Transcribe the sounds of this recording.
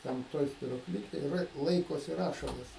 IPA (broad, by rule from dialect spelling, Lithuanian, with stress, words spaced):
ˈtʲɛn ˈtoːj sʲpʲɪruɔˈklʲɪkʲeːj rʲeː ˈlˠɐɪkoːsʲɪ ˈrɑːʃɐlˠɐs